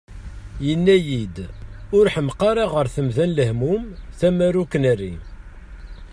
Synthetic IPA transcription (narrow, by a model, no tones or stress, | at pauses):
jənːæjid̪ʊɾħəmqɑɾˤɑʁəɾθəmðænləhmumθæmæɾukənærːi